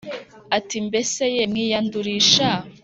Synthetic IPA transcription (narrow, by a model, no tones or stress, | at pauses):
atimbesejemŋijanduɾiːʃa